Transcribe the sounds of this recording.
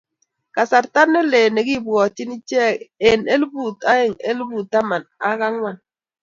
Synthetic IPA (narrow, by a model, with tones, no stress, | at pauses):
ka˨sa˨ɾta˦ne˦le˨ne˨ɡi˦˨bwɔ˨t͡ʃi˦ni˦t͡ʃɛ˦˨e˨ne˦lbu˦˨ta˦e˨ŋe˦lbu˨ta˦ma˨na˦ɣa˦ŋwa˦˨n